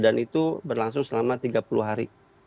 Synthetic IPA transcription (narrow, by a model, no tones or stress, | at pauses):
danit̪ubərlaŋsʊŋsəlamat̪iɡapuluɦaɾi